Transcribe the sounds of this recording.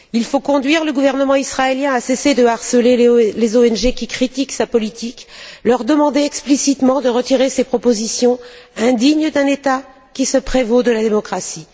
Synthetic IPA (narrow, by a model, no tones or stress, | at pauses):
ilfokɔ̃d̪ɥiʁləɡuvɛʁnəmɑ̃isχaeljɛ̃asesed̪əaʁsəlelezoɛnʒekʲikχit̪iksapɔlit̪iklœʁd̪əmɑ̃d̪eɛksplisit̪mɑ̃d̪əʁət̪iʁesepχɔpozisjɔ̃ɛ̃d̪iɲd̪ɛ̃net̪a | kʲisəpχevod̪əlad̪emɔkχasi